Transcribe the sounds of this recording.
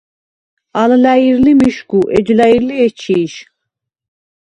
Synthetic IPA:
ɑlɨlæjiɾlimiʃkuʔɛd͡ʒlæjiɾliɛt͡ʃʰiʃ

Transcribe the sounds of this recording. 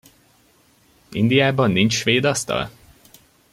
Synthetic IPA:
ḭnd̪ijaːbɒnːint͡ʃʃʋeːd̪ɒst̪ɒ̰l

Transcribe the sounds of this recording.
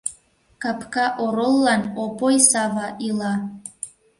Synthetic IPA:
kapkɑʔoɾolˠːɑnopojsɑvɑʔilˠɑ

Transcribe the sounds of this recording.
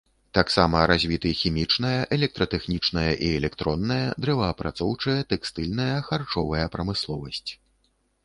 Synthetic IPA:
t̪aksamɐɾazʲvʲit̪ɨxʲimʲit͡ʂn̪ɐjɐʔɛlʲɛk̚t̪ɾɐt̪ɛxnʲit͡ʂnɐjɐʔiɛlʲɛkt̪ɾɔnːɐjɐd̪ɾɛvɐːpɾat̪sɔwt͡ʂɐjɐt̪ɛkst̪ɨlʲn̪ɐjɐxart͡ʂɔvɐjɐpɾɐmɨslˠɔvɐsʲt͡sʲ

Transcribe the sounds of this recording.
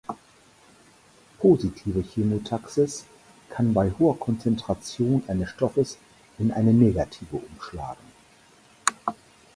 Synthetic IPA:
pʰoːzitʰiːvəçeːmotʰaksɪs | kʰanbaɪhoːɐkʰɔnt͡sɛntʁ̥at͡sjoːnʔaɪnəsʃtɔfəs | ʔɪnʔa̰ɪnəneːɡatʰiːvəʔʊmʃla̰ːɡŋ̩

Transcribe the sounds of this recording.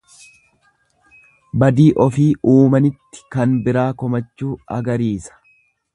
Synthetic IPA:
bɐd̪iːʔɔfiːuːmɐnɪt̪ːɪ̥kɐnbɪɾaːkɔmɐt͡ʃːuːɐ̰ɡɐɾiːsɐ̥

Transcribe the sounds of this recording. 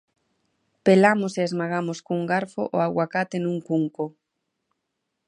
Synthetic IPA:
pelamoseezmaɣ̞amoskuŋɡaɾfo̰ʔoaɣwakat̪enũŋkuŋko

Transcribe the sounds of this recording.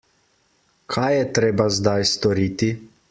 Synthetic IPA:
kʰajːɛt̪ɾeːbazd̪ajst̪ɔɾiːt̪i

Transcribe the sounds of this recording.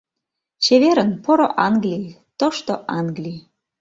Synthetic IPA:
t͡ɕeβeɾənpoɾoʔɑŋɡlʲij | t̪oʃt̪oʔɑŋɡlʲi

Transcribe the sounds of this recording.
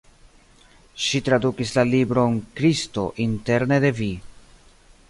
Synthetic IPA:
ʃitɾadukislalibɾo̞nkɾisto̞ʔinte̞ɾne̞de̞vi

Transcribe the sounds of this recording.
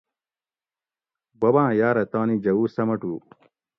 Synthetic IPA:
bobãːjaːɾɐt̪aːnid͡ʑɐwuːsɐmɐʈuː

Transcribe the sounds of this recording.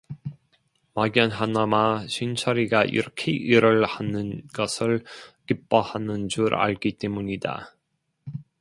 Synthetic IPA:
maɡjʌnɦanamaɕʰint͡ɕʰʌɾiɡaʔḭɾʌkʰeʔiɾɯɭhanɯnɡʌsʰɯɭkip͈ʌhanɯnd͡ʑuɾa̰ɭk͈it͈e̞muɲida̰

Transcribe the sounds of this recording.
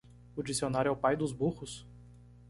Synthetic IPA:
ʊd͡ʒisionaɾjʊɛʊpajd̪ʊzbuhʊs

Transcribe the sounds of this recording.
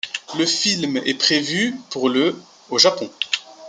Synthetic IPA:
ləfilmɛ̰pχevypuʁlə | oʒapɔ̃

